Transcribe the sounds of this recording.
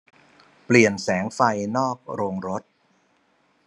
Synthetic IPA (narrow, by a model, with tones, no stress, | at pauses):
pli˨˩ənsɛː˩˦ŋfa˧jnɔː˥˩k̚ɾoː˧ŋɾo˦˥t̪̚